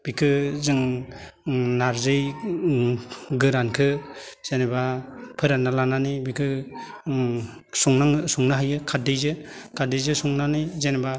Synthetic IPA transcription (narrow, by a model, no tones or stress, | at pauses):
b̥ikʰɯzɯŋ | naɾzɯj | ɡɯɾankʰɯz̥enebapʰɯɾanːalananɯbikʰɯ | suŋnaŋsuŋnaɦajɯkʰadɯjzɯkʰadejzɯsuŋnanɯjzeneba